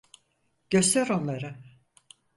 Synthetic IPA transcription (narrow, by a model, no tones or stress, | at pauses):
ɟ̥ø̞st̪æɾo̞nlˠaɾɯ